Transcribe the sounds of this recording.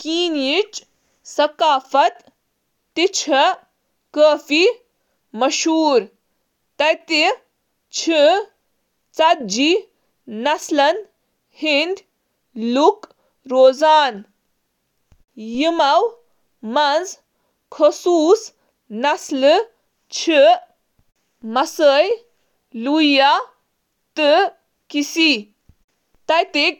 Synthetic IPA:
kiːnit͡ʃ | sɐkaːfɐt̪ː | it͡ʃʰɐ | kəːfi | mɐʃuːɾ | t̪ɐjt̪i | t͡ʃʰi | t͡sɐd͡ʒi | nɐslɐn | hind̪ | luk | ɾoːzaːn | jimɐw | mɐnd͡z | kʰəsuːs | nɐslɨ | t͡ʃʰɨ | mɐsəj | luja | t̪ɨ | kisi | t̪ɐjt̪e

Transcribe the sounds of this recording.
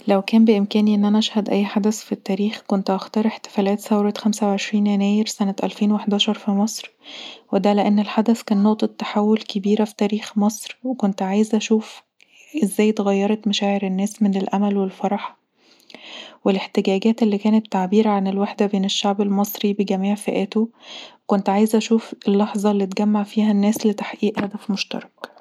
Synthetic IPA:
læwkæːmbeʔemkæːniʔenːʔænæʔæʃhæd̪ʔæjːħad̪æsfit̪ːæːɾiːxkont̪ʔɑxt̪ɑːɾˤeħt̪e̥fæːlæːt̪θæwɾˤɑt̪xæmsæweʕeʃɾiːnjænæːjeɾsænæt̪ʔæ̰lfeːnweħd̪æːʃɑɾˤfimɑsˤɾwed̪æleʔænːelħad̪æskæːnːoʔt̪ˤet̪ːḁħawːolkebiːɾæfi̥t̪æːɾiːxmɑsˤɾwekont̪ʕaːjezʔæʃuːf | ʔezːæːjt̪eɣɑjːɑɾˤɑt̪mæʃæːʕeɾenːæːsmenelʔæmælwelfɑɾˤɑħ | weleħt̪eɡæːɡæːt̪elːiːkæːnæt̪ːaʕbiːɾæʕanelweħd̪æbeːneʃːaʕbelmɑsˤɾibeɡæmiːʕfeʔæːt̪okont̪ʕaːjezʔæʃuːfelːɑħzˤɑlːiːt̪̚ɡæmːaʕfiːhænːæːslet̪ḁħʔiːʔhæd̪æfmoʃt̪ɑ̰ɾˤɑk

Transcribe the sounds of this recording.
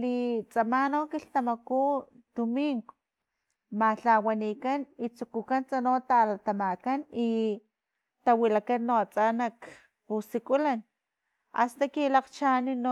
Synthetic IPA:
lit͡sʼamanokiɬt̪amaku | d̪̥umiŋɡo | maɬawanikanit͡sukukant͡sanot̪alat̪amakani | t̪awilakanːoat͡sʼanak | pusikulan | a̰st̪akilaqt͡ʃanino

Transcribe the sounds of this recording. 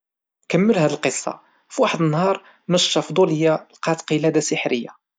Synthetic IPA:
kəmːəlhæd̪əlqəsˤːɑ̰ | fiwaħəd̪ənːhɑɾˤ | məʃːɑfd̪ˤuləjːalqɑt̪qəlæd̪asəħɾəjːa̰

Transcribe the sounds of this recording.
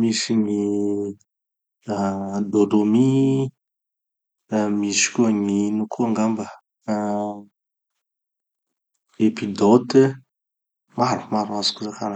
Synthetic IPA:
misiŋi | ad̪od̪omi | misi̥kuaminukʰuaŋɡamba | epid̪ɔt̪ə | maɾumaɾasu̥kuzakana

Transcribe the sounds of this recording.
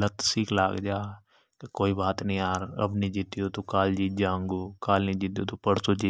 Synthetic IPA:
lət̪siːkla̰ːɡd͡ʒaː | kekoːibaːt̪nəĩːaːɾɐ̰bnid͡ʒit̪ijoːt̪okaːld͡ʒiːd͡ʒãːŋɡoːkaːlniːd͡ʒit̪ijot̪opəɽsoːd͡ʒiː

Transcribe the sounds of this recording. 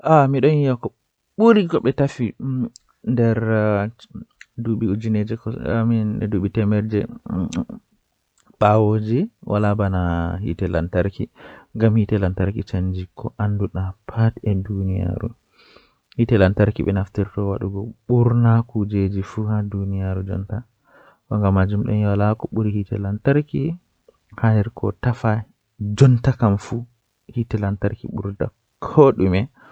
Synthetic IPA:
ʔamiɗɔnjijakɔ | ɓuɾiɡɔɓɛtafi | ndɛɾ | duɓiud͡ʒined͡ʒɛkɔaminɛduɓitɛmɛɾd͡ʒɛ | ɓawod͡ʒiwʔa̰labanahḭtɛla̰ntaɾkiŋɡamhitɛlantaɾkit͡ʃand͡ʒikʰːɔʔanduɗapʰatɛdunija̰ɾṵ | hitɛlantaɾkiɓɛnaftiɾtɔwaɗuɡɔɓuɾnakud͡ʒed͡ʒifuhadunijaɾud͡ʒɔ̰nta | kɔŋɡamːad͡ʒumɗɔnjalakɔɓuɾihitɛlantaɾki | hanɛɾkʰɔ̰tafa | d͡ʒɔntakamfu | hitɛlantaɾkḭɓuɾta̰ | kʰoɗumɛ

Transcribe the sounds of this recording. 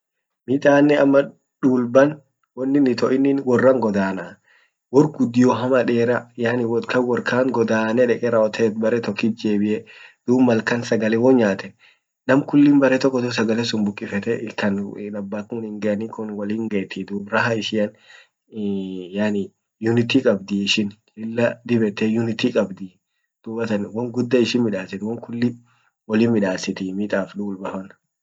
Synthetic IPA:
miːt̪ʼaːnːɛɐmːɐ | ᶑuːlbɐn | wɔnːɪnːɪt̪ɔʔɪnːɪnwɔrːɐŋɡɔd̪aːna | wɔrɡʊd̪ːɪjɔɦɐmɐᶑeːɾɐjaːnɪwɔt̪kʰɐwɔɾkʰaːŋɡɔd̪aːnɛᶑɛkʼɛɾɐɔt̪ʰɛɛt̪̚bɐɾɛt̪ɔkːit̪̚d͡ʒeːbɪʔɛd̪̥uːbmːɐlkɐnsɐɡɐlɛwɔɲaːt̪ɛ | nɐmkʊlːɪmbɐɾɛt̪ɔkːɔt̪ɔs̬ɐɡɐlɛsʊmbʊkʼːɪfɛt̪ɛʔɪkːɐnnɐbːaːt̪nʊnɪŋɡɛʔɐnikʊnwɐliːŋɡeːt̪ɪd̪uːbɾɐɦɐɪʃɪɐn | jaːnɪ | jʊnɪt̪ikʼɐbd̪ɪɪʃɪnhɪlːɐd̪ɪbɛt̪ːɛjʊnɪt̪ikʼɐbd̪ɪ | d̪̥uːbɐt̪ɐnwɐŋɡʊd̪ːɐɪʃɪnmɪᶑaːsɪnwɔŋkʊlːɪ | wɐliːnmɪᶑaːsɪt̪ɪmit̪ʼaːfᶑ̪uːlbɐfɐn

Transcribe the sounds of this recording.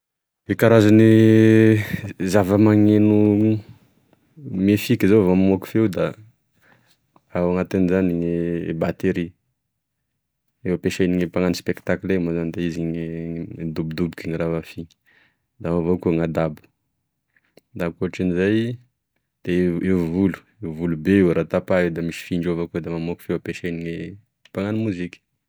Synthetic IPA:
ekaɾazani | zavəmaŋenu | mefikʲizovammoku̥fewd̪a | awaŋat̪inizaniŋebat̪eɾi | ewapeʃajniŋipaŋanispekt̪aklemazand̪aiziɲ | d̪ubd̪ubkiŋiɾavafi | d̪amavokuŋad̪abu̥ | d̪akoʈ͡ʂinizaj | d̪̥eevulu̥ | evulubeewɾat̪apaewd̪amiʃi̥fiɳɖ͡ʐovaked̪amamokfewapeʃejniŋe | paŋanimuzikʲə̥

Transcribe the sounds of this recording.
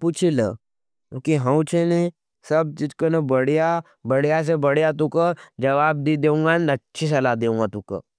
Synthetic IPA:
put͡ʃʰilə̰̃ | kiɦãw̃t͡ʃʰene | sɐb̚t͡ʃid͡ʒkonɐbɐɽija | bɐɽijas̬ebɐɽijat̪ũkəd͡ʒɐʋaːb̚d̪id̪eːũŋɡanɐtːʃʰis̬ɐlad̪eːũːŋɡat̪ũkə̰

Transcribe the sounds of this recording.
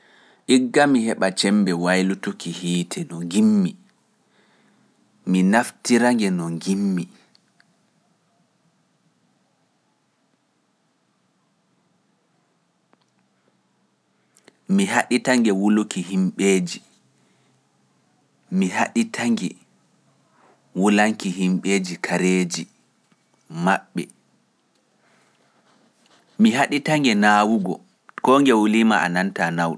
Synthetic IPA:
ʔiɡːamihɛɓat͡ʃɛmbɛwajlutokihiːtʰɛnɔŋɡimːi | minaftiɾaŋɡɛnɔŋɡimːi | miɦaɗitaŋɡɛwulokiɦimɓeːd͡ʒi | miɦaɗitʰaŋɡɛ | wulaŋkiɦimɓeːd͡ʒikʰaɾeːd͡ʒi | maɓːɛ̰ | miɦaɗitaŋɡɛnaːwuɡɔ | kɔŋɡɛwulimaa̰nantanawɗɔ

